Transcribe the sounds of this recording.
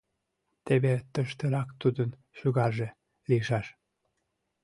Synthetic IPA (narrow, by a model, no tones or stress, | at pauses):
t̪eβet̪əʃt̪əɾɑkt̪ud̪ən | ʃyɣɑʒe | liəʃɑʃ